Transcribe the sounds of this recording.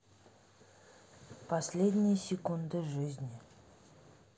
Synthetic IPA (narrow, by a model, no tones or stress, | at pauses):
pʰɐsʲlʲed̪ʲnʲɪjəsʲɪkund̪əʐʏzʲnʲɪ